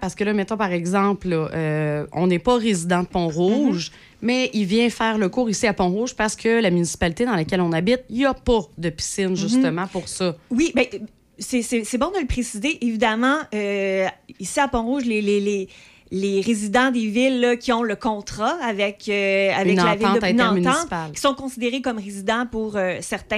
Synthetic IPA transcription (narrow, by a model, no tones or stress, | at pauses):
paʁsə̥kəlʌmɛt̪ɔ̃paʁɛɡzɑ̃plʔøɔ̰̃nɛpʌʁezid̪ɑ̃pɔ̃ʁuʒ | mɛilvjɛ̃fɛːʁləkuːʁisiapɔ̃ʁuʒpaʁsə̥kʰʲəlamynisi̥palit̪ed̪ɑ̃lakʲɛlɔ̃nabɪt̪̚ilapʌd̪əpi̥sɪnʒyst̪əmɑ̃puʁsɔwibɛ | sɛsɛsɛbɔ̃d̪ələpχesizeʔevid̪amɑ̃ø | isiapɔ̃ʁuʒlelele | leʁezid̪ɑ̃d̪evɪlːəkʲiɔ̃ləkɔ̃t̪χaavɛkʲøavɛnlavɪɑl̃d̪ət̪ːnɑ̃mynt̪ɑ̃sit̪palki̥sɔ̃kɔ̃sid̪eʁekɔmʁezid̪ɑ̃puʁøsɛʁt̪ɛ̃